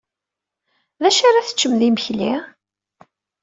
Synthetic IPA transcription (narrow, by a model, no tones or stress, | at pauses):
ðæʃaɾaθə̥t͡ʃːəmðiməçli